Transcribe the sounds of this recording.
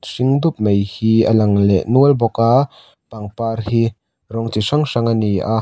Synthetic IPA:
siŋd̪up̚mejhiəlɐŋlɛ̰ʔnuəlbɔka | paŋparhi | rɔŋt͡siʂɐŋʂɐŋaniʔa

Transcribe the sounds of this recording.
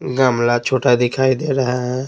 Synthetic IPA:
ɡamlat͡ʃʰoːʈad̪ɪkʰaːid̪eːɾaɦaɦɛ

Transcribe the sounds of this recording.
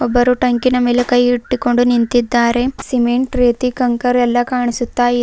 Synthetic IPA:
ɔbːɐɾuʈɐŋkinɐmilɐkɐjiʈːiko̞ɳɖunint̪id̪ːaːɾe̞simeɳʈɾeːt̪ikɐŋkɐɾɛlːɐkaːɳisut̪ːaːji

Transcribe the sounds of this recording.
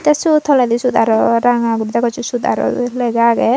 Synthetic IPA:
t̪ɛsut̪ʰɔlɛ̃d̪isud̪ʱaɾɔɾaŋaɡuɾd̪akɔt͡ʃusud̪ʱa̰ɾɔ̰lɛɡaɡɛ

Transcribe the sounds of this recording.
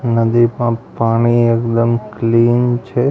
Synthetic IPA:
nəd̪ipə̃paɽ̃iekd̪əmkliːnt͡ʃʰe

